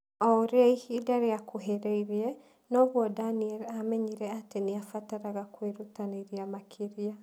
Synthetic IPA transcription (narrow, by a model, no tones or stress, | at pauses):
ɔɾeaihidaɾeakoɦeɾeiɾeɛ | nɔβwɔdaniɛɾamɛɲiɾɛateneafataɾaɣakweɾutaneɾiamakʰeɾia